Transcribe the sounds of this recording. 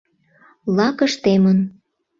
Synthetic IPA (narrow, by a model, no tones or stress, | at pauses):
lɑkəʃt̪emən